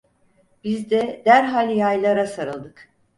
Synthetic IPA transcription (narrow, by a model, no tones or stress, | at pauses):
bizd̪ɛd̪æɾɦalʲjajlˠaɾasaɾɯlˠd̪ɯk